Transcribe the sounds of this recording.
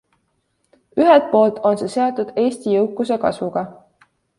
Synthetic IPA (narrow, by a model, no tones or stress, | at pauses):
yɦɛlt̪̚po̞ːlt̪o̞nse̞se̞ɑt̪ːud̪̥e̞ːsʲt̪ijɤwkːˑuse̞kɑ̰svuɡ̥ɑ